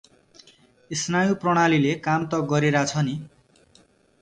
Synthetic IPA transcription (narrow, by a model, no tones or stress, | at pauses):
isnajuprʌɽ̃alilekamt̪ʌɡʌɾeɾat͡sʰʌni